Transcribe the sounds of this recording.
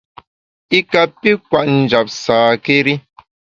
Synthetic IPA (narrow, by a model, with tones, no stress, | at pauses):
i˦ka˨pi˦kwa˨ʔn̩˨d͡ʒa˨p̚saː˨ke˦ɾi˦